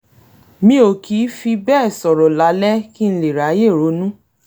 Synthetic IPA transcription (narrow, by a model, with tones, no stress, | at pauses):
mĩ˦o˨kʰi˨˦fi˧bɛː˦˨sɔ˨ɾɔ˨la˨˦lɛ˦ki˦n̩˧le˨ɾa˨˦je˦˨ɾo˨˦nũ˦